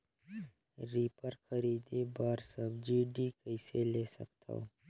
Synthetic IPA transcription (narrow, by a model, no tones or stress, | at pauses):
ɾiːpəɾkəɾiːd̪ebaːɾsəbd͡ʒiːɖikəɪseleːsə̰k̚t̪a̰o